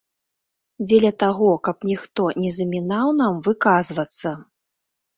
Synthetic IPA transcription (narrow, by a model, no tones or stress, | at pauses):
d͡zʲɛlʲɐt̪aɣɔkɐpnʲixt̪ɔnʲɛzɐmʲinawnamvɨkazvɐt̪sːɐ